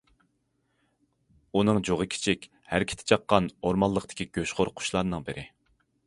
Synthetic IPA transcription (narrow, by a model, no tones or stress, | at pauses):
unɨŋd͡ʒoʁəkʲʰi̥t͡ʃʰikʲ | hæɾkʲʰt̪ʰɪ̥t͡ʃʰɑqːɑnoɾmɑlˠːəqt̪ɪ̥kʲʰiɡ̥ʲøʃχʊɾqʰʊ̥ʃlˠɑɾnɨŋbɪɾʔɪ